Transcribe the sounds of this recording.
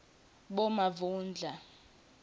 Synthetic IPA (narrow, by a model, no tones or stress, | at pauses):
ɓɔmavuːnd͡ɮʱa